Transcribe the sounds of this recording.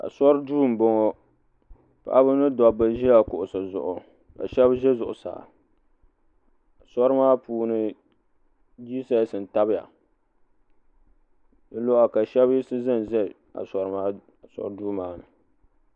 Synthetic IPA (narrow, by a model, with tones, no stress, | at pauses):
ka̰˨sɔ˦ɾɨ˦duː˦˨m̩˨bɔ˦ŋɔ˦ | pa̰˨ʔa˦bɨ˦nɨ˦dɔ˨bɨ˦ʒi˦a˨kʊ˨ʔʊ˨sɨ˨zʊ̰˨ʔʊ˨ | ka̰˨ʃɛ˦bʒɛ˦zʊ˨ʔʊ˨sa̰ː˨ | a˨sɔ˦ɾɨ˦maː˦puː˨nɨ˦ | d͡ʒiː˦sa˦˨sɨ˨n˨ta˦bɪ˦ja̰˨ | dɨ˦lo˦a˨ka˨ʃɛ˦bji˦sɨ˦zɨ˦˨n˨ʒɛ˦˨ | a̰˨sɔ˨ɾɨ˦maː˦ | a˨sɔ̰˦ɾɨ˦duː˦maː˦nɨ˨